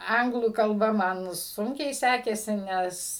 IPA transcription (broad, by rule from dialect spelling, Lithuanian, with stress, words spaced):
ˈɐŋɡlˠuː kɐlˠˈbɐ ˈmɐn ˈsʊŋʲkʲɛɪ ˈsʲæːkʲeːsʲɪ ˈnʲɛs